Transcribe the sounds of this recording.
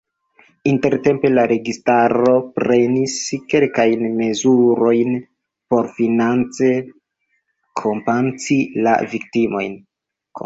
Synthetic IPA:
inte̞ɾte̞mpe̞laɾe̞ɡistaɾo̞pɾe̞niske̞lkajnme̞zuɾo̞jn | po̞ɾfinant͡se | kʰompant͡sila̰vik̚timo̞̰jn | k

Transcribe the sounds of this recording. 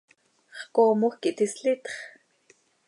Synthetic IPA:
χkoːmuxkiʔt̪isɬit̪χ

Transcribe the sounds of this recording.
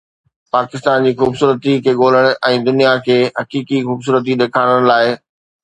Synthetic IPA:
paːkɪst̪aːnd͡ʑiːxuːbsuːɾət̪ikʰeːɠoːl̤əɽ̃̆ʔɛ̃ːd̪ʊnijakʰeːɦɐkiːkixuːbs̬uːɾət̪̬iɗ̪eːkʰaːɽ̃əɽ̃laːɪ

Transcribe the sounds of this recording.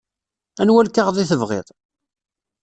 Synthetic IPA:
ænwælkaʁðˤiθəvʁɪ̰ðˤ

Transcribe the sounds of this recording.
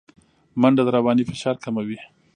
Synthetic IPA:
maɳɖad̪əɾabɑnifɪʃɑɾkamawi

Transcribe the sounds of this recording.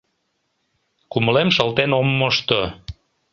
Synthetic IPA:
kuməlemʃəlt̪enomːoʃt̪o

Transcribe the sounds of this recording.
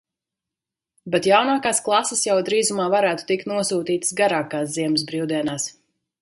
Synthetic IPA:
bɛt̪jawnaːkaːsklˠasesjawd̪ɾiːzumaːvaɾæːt̪u̥t̪ikt̪nuɔsuːt̪iːt̪sɡaɾaːkaːsziɛms̬bɾiwd̪iɛnaːs

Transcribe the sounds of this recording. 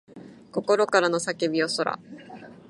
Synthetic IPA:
ko̞ko̞ɾo̞kaɾano̞sakebʲio̞so̞ɾa̰

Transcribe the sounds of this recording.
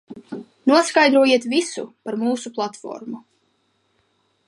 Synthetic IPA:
nuɔskajd̪ɾuɔjiɛt̪visṵpaɾmuːsuplˠat̪fɔ̰ɾmu

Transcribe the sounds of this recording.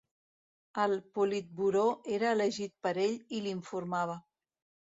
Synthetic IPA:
əlˠpulit̪̚buɾoeɾəːləʒit̪̚pəɾeʎiliɱfuɾmaβ̞ə

